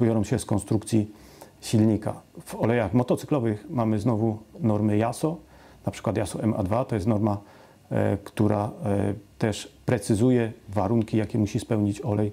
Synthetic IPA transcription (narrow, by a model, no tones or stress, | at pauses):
bjɔɾɔ̃w̃ɕɛskɔnst̪ɾukt̪sʲiɕilɲika̰v̥ɔlɛjaxmɔt̪ɔt̪sɘ̥klɔvɘxmamɘznɔvunɔɾmɘjasɔ | napʂɘ̥kwat̪jasɔʔɛma̰d̪vat̪ɔjɛst̪nɔɾma | kt̪uɾʔa | t̪ɛʂpɾɛt̪sɘzujɛvaɾuŋkʲijakʲɛmuɕispɛwɲit͡ɕɔlɛj